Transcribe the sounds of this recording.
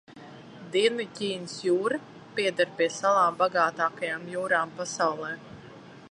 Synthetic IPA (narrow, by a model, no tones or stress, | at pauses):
d̪iɛnɨcʲiːnsjuːɾa | piɛd̪aɾpiɛsalaːmbaɡaːt̪aːkajaːmjuːɾaːmpasawlˠɛː